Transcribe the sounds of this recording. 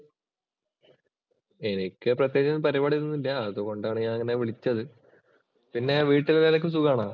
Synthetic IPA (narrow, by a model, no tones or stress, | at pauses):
e̞nikʲːɨprɐt̪̬jeːd͡ʑɐnpɐɾibaːɽiɾunːilːɐðoko̞ɳɖaːɳɨɲaːnɐŋːɐne̞ʋiɭit͡ɕːɐðɨ | pinːe̞ʋiːʈːilɐlaːlekːɨmsuɣaːɳaː